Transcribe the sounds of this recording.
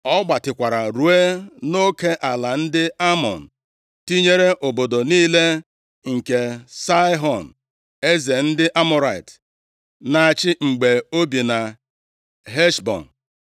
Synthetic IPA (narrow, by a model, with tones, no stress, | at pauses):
ɔ˦ɡ͡ba˨tɪ˨kʷa˨ɾa˨ɾu˨e˦no˦ke˦ʔa˨la˨n̩˦dɪ˦a˦mɔ̰˨n̩˨ | ti˦ɲe˦ɾe˦ʔo˨bo˨do˨niː˦le˦ | ŋ̩˨ke˨sa˦ɦɔ˨n̩˨ | e˦ze˨n̩˦dɪ˦ʔa˦mʊ˦ɾa˨i˨t | na˨a˨t͡ʃɪ˦ŋ͡m̩˨ɡ͡be˨o˦bi˨na˨ | ɦe˦ʃbɔ̰˨n̩˨